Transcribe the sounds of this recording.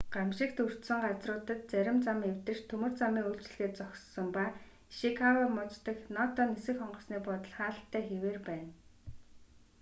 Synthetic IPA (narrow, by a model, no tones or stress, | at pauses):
ɢ̥amʃĭkt̪ur̥t̪sə̆ɴɢat͡srʊːt̪ə̆t̪̚t͡sæɾʲɪ̆mt͡samew̥t̪ɘ̆rt̪ʰɵmɵ̆r̥t͡samiːŋuɮt͡ɕ̆ɮɣeːt̪t͡sɔksɞ̆mpaː | ʃikʰawɔmɔt͡st̪ə̆knɔt̪ʰɔnisɘ̆xɔɴɢɞ̆ɮsniːpɔt̪ə̆ɮχaːɬt̪ʰːæːxeweːrpæːn